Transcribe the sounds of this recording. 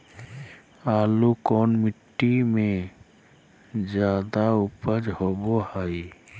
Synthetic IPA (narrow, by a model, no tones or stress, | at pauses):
aːlukɔːnmiʈːime | d͡ʒad̪aupəd͡ʒɦobohəj